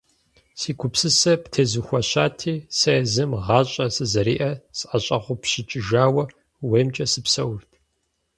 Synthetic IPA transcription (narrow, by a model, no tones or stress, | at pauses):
siːkʷʰʊpsɨsɐptʰeːzɨxʷɐɕaːtʰiːsɐzɨmʁɑːɕʼɐsɨzɐɾḭːʔɐsɐɕʼɐʁʷʊpɕɪt͡ʃʼɪʒaːwɐ | weːmt͡ʃʼɐsɨpsɐwʊrtʰ